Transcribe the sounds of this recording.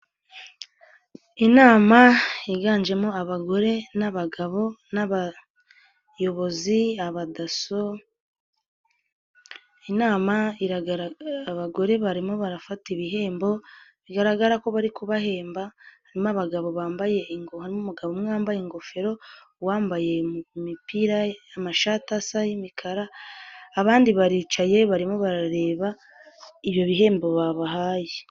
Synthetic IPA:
inaːmaiɡaːnd͡ʒe̞moaβaɡo̞ɾe̞naβaɡaβo̞naβa | jo̞βo̞ziaβadaso | inaːmaiɾaɾaβaɡo̞ɾe̞βaɾimo̞βaɾafatiβiɦe̞ːmbo̞βiɡaɾaɡaɾako̞βaɾikuβahe̞ːmbahaɾimaβaɡaβo̞βaːmbaje̞ŋɡohaɾimomuɡaβomŋaːmbajeŋɡo̞fe̞ɾo̞ | waːmbaje̞mipiɾajamaʃatasajimikʰaɾaː | βaːndiβaɾiːt͡ʃaje̞βaɾimo̞βaɾaɾe̞ːβa | iβjo̞βiɦe̞ːmbo̞βaβaɦaːje

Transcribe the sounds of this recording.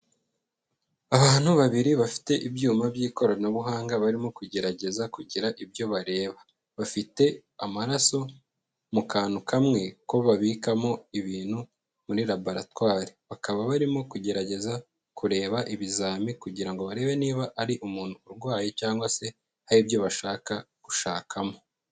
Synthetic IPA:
aβaːn̥huβaβiɾiβafi̥te̞ʔibjuːmabjiːko̞ɾanoβuɦaːŋɡaβaɾimo̞kuɟe̞ɾaɟe̞zakuɟiɾaʔibjo̞βaɾe̞ːβa | βafite̞ | amaɾaso̞ | mukaːnukamŋe̞ko̞βaβiːkamo̞iβiːnhu | muɾiɾabaɾatwaːɾiβakaβaβaɾimo̞kuɟe̞ɾaɟe̞za | kuɾe̞ːβaʔiβizaːmikuɟiɾaŋɡo̞βaɾe̞ːβe̞niːβaʔaɾiʔumuːn̥huːɾɡwaːjecaːŋɡwase̞ | haɾibjo̞βaʃaːkakuʃaːkʰamo̞

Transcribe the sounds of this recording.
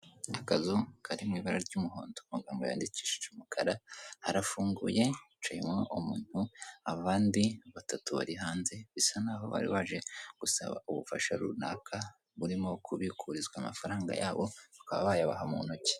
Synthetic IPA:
akazukʰaɾimŋiːβaɾaɾɟuːmuɦo̞̰ːndomuɡaːmɡoja̰ːndici̥ʃe̥t͡ʃumukʰaɾahaɾafuːŋɡuje̞ | t͡ʃaimŋoʔumṵːn̥huaβaːndiβatatuβa̰ɾiɦaːnze̞βisanaːɦo̞̰βa̰ɾḭβaʒe̞ɡ̥usa̰βa̰uβufaʃaɾṵna̰ːkʰa | βuɾimo̞kʰuβikʰuɾizɡwaːmafaɾaːŋɡa̰jaːβo̞βakaβaβajaβa̰ɦamunoce̥

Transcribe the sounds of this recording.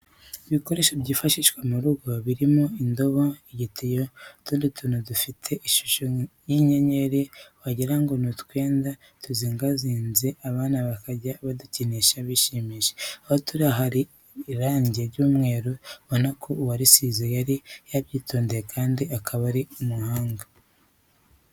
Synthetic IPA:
iβiko̞ɾe̞ːʃabɟiːfaʃiʃwemuɾuɡo̞βiɾimoindo̞βoiɟitijotundutʰunudufitʰe̞ʔiʃu̥ʃojiɲeɲe̞ɾewaɟiɾaŋɡo̞nutkwe̞ːnda | tuziːŋɡaziːnze̞ʔaβaːnaβakaɟaβaduciniʃaβiʃimiʃe̥ahotuɾaɦaɾi | ɾaːɲɟeɾɟuːmŋe̞ːɾoβonakʰowaɾisizijaɾijaβjiːto̞ːndejekʰaːndiakʰaβaɾiumuhaːŋɡa

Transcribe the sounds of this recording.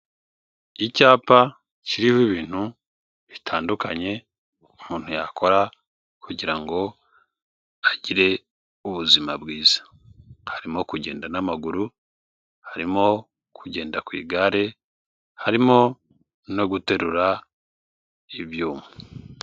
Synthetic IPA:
icaːpa | ciɾihiβiːn̥hu | βitʰaːndukaɲe̞ | umuːn̥ujakʰo̞ɾa | kuɟiɾaŋɡo̞ | aɟiɾe̞ | uβuzimabɡiːz̥ḁ | haɾimo̞kuɟe̞ːndanamaɡuɾu | haɾimo̞ | kʰuɟe̞ːndakwḭːɡaɾe̞ | haɾimo̞ | no̞ɡute̞ɾuɾa | iβjuːme

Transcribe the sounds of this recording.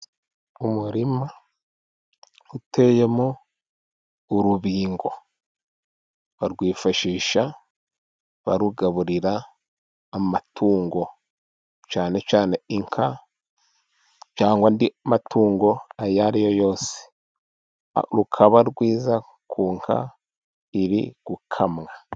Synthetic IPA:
umuɾima | utʰe̞jemo | ɾuβiːŋɡo̞ | βaɾɡwiːfaʃiːʃa | βa̰ɾuɡaβuɾiɾaː | matʰuːŋɡo̞ | t͡ʃaːne̞t͡ʃaːne̞iŋkʰa | t͡ʃaːŋɡwandiamatʰuːŋɡo̞ajaɾijo̞jo̞ːsi̥ | ɾukʰaβaɾɡwiːza | kʰuːŋkʰa̰ | iɾḭɡ̥ukʰamŋa

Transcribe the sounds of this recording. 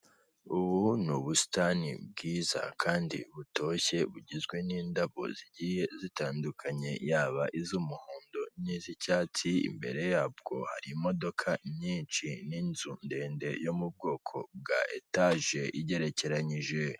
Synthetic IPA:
uβunuβusi̥tanḭb̚ɡiːza̰kʰaːndḭβuto̞çe̞βuɟizɡwe̞niːndaβo̞̰ziɟije̞zitaːndukʰaɲe̞jaːβaʔizumuhoːndonizicaːt͡siḭmbe̞̰ɾe̞jaːb̚ɡo̞ha̰ɾimo̞do̞kʰaɲɲiːnt͡ʃininzunde̞ːnde̞jo̞mub̚ɡo̞ːkʰo̞̰b̚ɡa̰ʔetaʒe̞ʔiɟe̞ɾe̞ce̞ɾaɲiʒe̞

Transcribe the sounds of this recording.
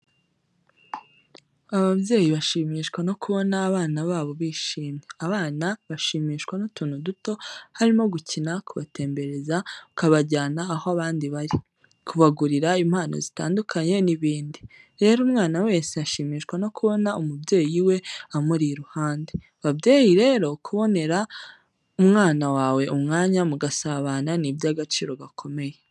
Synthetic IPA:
aβaβje̞ːjiβaʃiːmiʃkwano̞kuβo̞naːβaːnaβaːβo̞βiːʃiːmɲeaβaːnaβaʃiːmiːʃkwanotuːnuduto̞haɾimo̞ɡucinakuβa̰te̞ːmbe̞ɾe̞zaukaβaɟaːnaːhoaβaːndiβaɾi | kʰuβaɡuɾiɾaim̥haːno̰zitaːndukʰaɲe̞niβiːndi | ɾe̞ːɾuːmŋaːnawe̞ːseaʃiːmiːʃkwano̞kuβo̞naumubje̞ːjiwe̞amuɾiɾuhaːnde | βabɟeːjiɾe̞ːɾo̞kʰuβo̞ne̞ɾa | umŋaːnawaːwe̞umŋaːɲamuɡasaβananibjaɡat͡ʃiːɾo̞ɡakʰo̞me̞je

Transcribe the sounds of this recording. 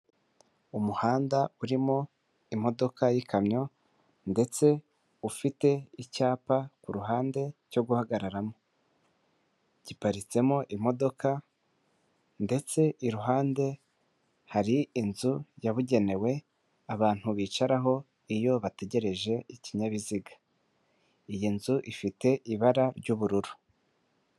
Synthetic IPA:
umuhaːndauɾimo | imo̞do̞kajikʰamɲo̞ | nde̞t͡se̞ | ufite̞icaːpakuɾuɦaːnde̞co̞ɡuhaɡaɾaɾamo̞ | ɟ̥ipaɾit͡se̞moʔimo̞do̞kʰa | nde̞t͡se̞ʔiɾuɦaːnde̞ | haɾiinzujaβuɟe̞ne̞we̞ | aβaːn̥huβiːt͡ʃaɾaɦo̞ | ijo̞βate̞ɟe̞ɾe̞ʒe̞iciɲaβiziɡḁ | ijinzuʔifite̞ʔiβaɾaɾɟuːβuɾuɾu̥

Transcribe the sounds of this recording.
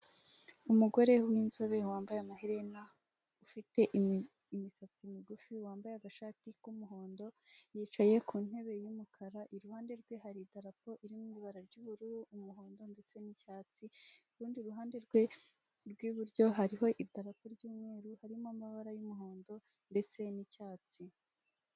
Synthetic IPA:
umuɡo̞ɾe̞wiːnzo̞βe̞waːmbajamaɦiɾena | ufite̞ʔ | imisat͡simiɡufiuwaːmbajaɡaʃaːtikumuɦo̞ːndo̞ | jiːt͡ʃaje̞kʰuːn̥e̞βe̞jumukʰaɾaʔiɾuhaːnde̞ɾɡwe̞ɦaɾidaɾapo̞ʔiɾimuuβaɾaɾɟuβuɾuɾuːmuɦo̞ːndo̞nde̞t͡se̞nicaːt͡siuɾuːndiuɾuɦaːnde̞ɾɡwe̞ | ɾɡwiβuɾɟo̞ɦaɾiɦo̞ʔidaɾapo̞ɾɟuːmŋe̞ːɾuhaɾimombaβaɾajumuɦo̞ːndo̞ | nde̞t͡se̞nicaːt͡si

